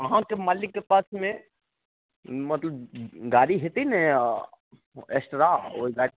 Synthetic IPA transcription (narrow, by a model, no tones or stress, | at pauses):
əɦãkemaːlɪkːepaːsmẽ | mət̪ləbɡaːɾiɦet̪iɦne | esʈɾao̰iɡaɾi